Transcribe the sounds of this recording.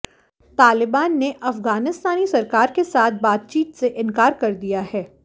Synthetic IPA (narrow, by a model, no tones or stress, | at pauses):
t̪aːlɪbaːnːeʔɐfɣaːnɪst̪aːnisɐɾkaːɾkesaːt̪̚ʰbaːt̪̚t͡ʃiːt̪seʔɪ̃nkaːɾkɐɾd̪ijaɦɛː